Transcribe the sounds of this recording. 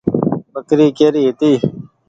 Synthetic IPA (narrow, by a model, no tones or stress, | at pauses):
bəkɾiːkeːɾiːɦet̪iː